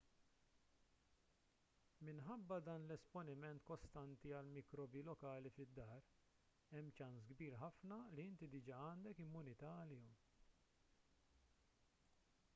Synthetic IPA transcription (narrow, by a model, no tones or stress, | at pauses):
mɪnħɐbːɐd̪ɐːnlɛspɔnɪmɛnt̪kɔst̪ɐnt̪iɐlmikɾɔːbilɔkɐːlifɪd̪ːɐːɾ | ɛmːt͡ʃɐnsɡbiːɾħɐfnɐliɪnt̪id̪ɪd͡ʒɐɐːnd̪ɛkɪmːʊnɪt̪ɐɐlɪjɔm